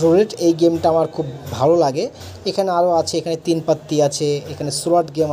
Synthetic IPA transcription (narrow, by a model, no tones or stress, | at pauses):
ɾuɾeʈejɡemʈaamaɾkʰubbʱalolaɡe | ekʰaneaɾoat͡ʃʰeekʰanet̪inpət̪ːiat͡ʃʰeːkʰanesuləʈɡem